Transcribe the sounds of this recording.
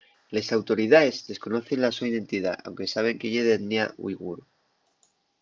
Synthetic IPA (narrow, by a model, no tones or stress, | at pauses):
le̞sawt̪o̞ɾið̞aezðe̞sko̞no̞θe̞nlasuaiðe̞nt̪iða̰a̰wŋke̞saβ̞e̞ŋkeʝeðenniaṵiɣṵɾu